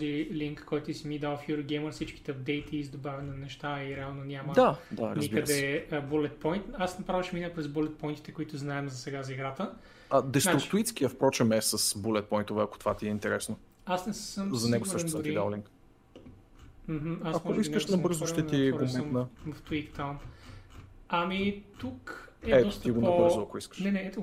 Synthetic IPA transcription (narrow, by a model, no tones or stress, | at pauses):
ɔziliŋkːɔjt̪ʊisimid̪alˠfjuɾoɡʲɛjməɾsit͡ʃki̥t̪ɛd̪ɛjt̪ʰiːzd̪obavʲɛnɐnɛʃt̪aiɾɛalˠnonʲaməd̪ad̪aɾnɐzibiəɾɛəbulɛt̪̚pɔjnt̪asnɐpɾavəʃɛminəpɾɛzbulɛt̪̚pɔjnt̪i̥t̪ɛkʊit̪ʊznaɛmzɐsɛɡazɐiɡɾat̪ə | ɐd̪ɛsaɾʊt͡ʃkt̪ʊit̪skiəfpɾɔt͡ʃɛmɛsɐsbulɛt̪̚pɔjnt̪ovɛɐkot̪o̥vat̪iɛint̪ɛɾɛsno | asnɛssəmzɐnɛɡoskaʃsɐiid̪ã̰lĩŋk | m̩ɦm̩asɐkmɔoiskəʃnɐɤɾzʊʃt̪ɛt̪iɔɾɡomuotmnəvɐft̪uikt̪am | ɐmit̪ukɛɛt̪ɔst̪iɡonɐobɤɾzʊɐkʊiskəʃnɛnɛɛt̪o